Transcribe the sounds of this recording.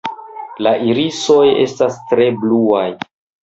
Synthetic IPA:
laʔiɾiso̞je̞̰stastɾe̞bluaj

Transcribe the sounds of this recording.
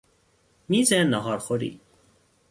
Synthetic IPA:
mizɛnəɦɑɾχoɾḭ

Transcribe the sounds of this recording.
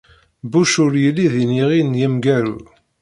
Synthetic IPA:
buʃʊɾjəlːiðiniʁinjəmɡæɾu

